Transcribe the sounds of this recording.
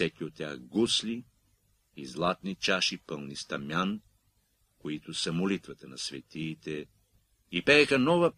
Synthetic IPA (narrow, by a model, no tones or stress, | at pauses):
ɛkʲiot̪ʲːjaxɡusliː | zlˠat̪nit͡ʃaʃipəlˠnist̪ɐmʲjan | koit̪ʊsɐmolit̪vɐt̪ɐnɐsvɛt̪iːt̪ɛ | ipɛːxɐnɔvɐ